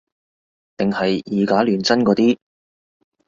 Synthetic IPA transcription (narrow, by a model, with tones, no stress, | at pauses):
t̪ɪ˨ŋhɐ˨jjiː˨˧kaː˨˥lyː˨nt͡sɐ˥nkɔː˨˥t̪iː˥